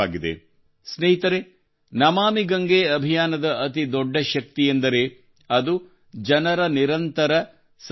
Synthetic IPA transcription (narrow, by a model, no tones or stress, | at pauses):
aːɡid̪ḛ | sneɦit̪ɐɾe | nɐmaːmiɡɐŋɡeːɐbʱijaːnɐd̪ɐʔɐt̪id̪ɔɖːɐʃɐk̚t̪ijend̪ɐɾe | ɐd̪u | d͡ʒɐnɐɾɐniɾɐnt̪ɐɾɐ | s